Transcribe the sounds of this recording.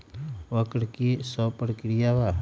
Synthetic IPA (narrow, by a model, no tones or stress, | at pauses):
ʋəkɽkisɔpɾəkɾijaʋa